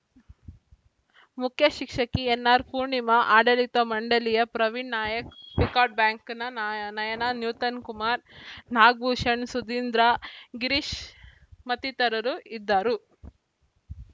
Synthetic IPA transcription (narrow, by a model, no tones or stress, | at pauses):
mukʰjɐʃikʂɐkienːaːɾpuɾɳimɐʔaːɖɐlit̪ɐmɐɳɖɐlijɐpɾɐʋiɳnaːjɐkpikaːʈ̚bjaːŋknɐnɐjɐnanjuːt̪ɐnkumaːɾnaːɡ̚buːʃɐɳsud̪iːnd̪ɾaɡiɾiʃ | mɐt̪it̪ɐɾɐɾuid̪ːaːɾu